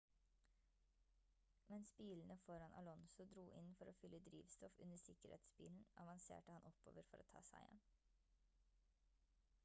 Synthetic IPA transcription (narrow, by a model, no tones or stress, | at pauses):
mɛnspiːln̩əfɔɾɑnʔɑ̰lɔnsʊd̪ɾuːʔɪnfɔɾoːfʏlːəd̪ɾiːʋst̪ɔfʉnəsɪkəɾhḛːt̪sbḭːln̩ʔɑʋɑnsḛːʈəhɑnʔɔpːo̰ːʋəɾfɔɾo̰ːt̪ʰɑ̰ːsæ̰ɪjɛ̰n